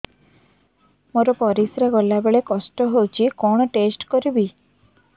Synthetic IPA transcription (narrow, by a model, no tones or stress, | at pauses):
moɾɔpɔɾisɾaɡɔlabeɭekɔsʈɔɦowt͡ʃʰikɔɽ̃ɔʈesʈkɔɾibi